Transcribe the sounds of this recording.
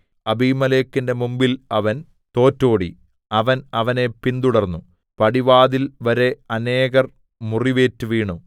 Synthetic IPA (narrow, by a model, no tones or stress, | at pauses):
ɐbiːmɐleːkːinde̞mumbilɐʋɐn | t̪o̞ːtːo̞ːɽḭ | ɐʋɐnɐʋɐne̞pind̪uɽɐrnːu | pɐɽiʋaːðilʋɐɾe̞ɐne̞ːɣɐr | muriʋe̞ːtːuʋiːɳu